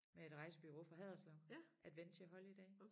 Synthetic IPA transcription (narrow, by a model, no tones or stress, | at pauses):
mee̝d̥ʁɑ̈ɪsəb̥yʁo̝̰ːfʁɑ̈ɦɛð̰ˠɐslɒʊʔæd̥ʋen̰t͡sʰe̝æɦɒ̽ləid̥ɛ̰ː